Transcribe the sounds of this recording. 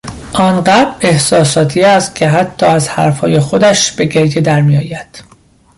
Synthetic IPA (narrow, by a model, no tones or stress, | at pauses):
ʔɒːnɢæe̞hsɒːsɒːt̪ʰiːæst̪̚cʲʰe̞ɦæt̪ʰːɒːæzhæ̰ɾfhɒːje̞xo̞d̪æʃb̥e̞ɟe̞ɾjed̪æɾmijɒːjæd̪̥